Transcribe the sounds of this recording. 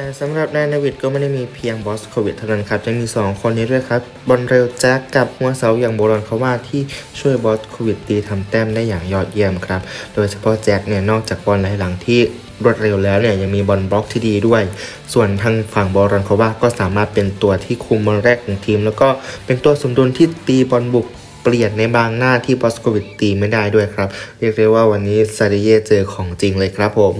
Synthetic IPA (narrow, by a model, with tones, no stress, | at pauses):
t̪ɛː˨˩sa˨˦mɾa˨˩p̚nɛː˧naː˧wi˨˩t̪̚kɔː˥˩ma˥˩jda˥˩jmiː˧pʰi˧əŋbɔː˦˥skʰoː˧wi˨˩t̪ʰːa˥wna˧˥nkʰɾa˦˥p̚ja˧ŋmiː˧sɔː˩˦ŋkʰo˧nːiː˦˥du˥˩əjkʰa˦˥p̚bɔ˧nɾe˧wt͡ɕɛː˦˥kːa˨˩p̚hu˧ɐəsa˨˩˦wjaː˨˩ŋbɔː˧ɾɔː˧nkʰa˧˥˩waː˥˩t̪ʰiː˥˩t͡ɕʰu˥˩əjbɔː˦˥skʰoː˧wi˨˩t̪̚ːiː˧t̪ʰa˧mt̪ɛː˥˩mdaː˥˩jːaː˨˩ŋjɔː˥˩t̪̚ji˥˩əmkʰɾa˦˥p̚doː˧jsʰḁ˧pʰɔ˦˥t͡ɕɛː˦˥k̚ni˥˩ɐnɔː˥˩k̚t͡ɕaː˨˩k̚bɔ˧nlaː˨˦jla˩˦ŋt̪ʰiː˥˩ | ɾu˥˩t̪̚ɾe˧wlɛː˦˥wni˥˩ɐja˧ŋmiː˧bɔ˧nbɔː˦˥k̚t̪ʰiː˥˩diː˧du˥˩əj | su˨˩ənt̪ʰaː˧ŋfa˨˩ŋbɔː˧ɾɔː˧nkʰɔ˧˩˦waː˥˩kɔː˥˩saː˩˦maː˥˩t̪̚pe˧nt̪u˧ɐt̪ʰiː˥˩kʰu˧mbɔː˧nɾɛː˥˩kʰːɔː˩˦ŋt̪ʰiː˧mlɛː˦˥wkɔː˥˩pe˧nt̪u˧ɐso˨˩˦mdu˧nt̪ʰiː˥˩t̪iː˧bɔː˧nbu˨˩k̚ | pli˨˩ət̪̚na˧jbaː˧ŋnaː˥˩t̪ʰiː˥˩bɔː˦˥skʰoː˧wi˨˩t̪ːiː˧ma˥˩jdaː˥˩jdu˥˩əjkʰɾa˦˥p̚ɾi˥˩k̚ɾi˥˩waː˥˩wa˧nːiː˦˥sa˧ɾe˧jeː˥˩t͡ɕɤː˧kʰɔː˩˦ŋt͡ɕi˧ŋlɤː˧jkʰɾa˦˥pʰːo˩˦m